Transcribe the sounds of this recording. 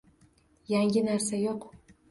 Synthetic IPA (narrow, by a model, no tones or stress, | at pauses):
jaŋʲɪnaɾsajoq